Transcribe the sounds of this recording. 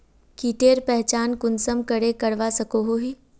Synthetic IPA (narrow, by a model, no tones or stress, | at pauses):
kiːʈeːɾpɛɦt͡ʃaːnkʊnsəmkəɽekɐɽʋasɐkoɦoɦiː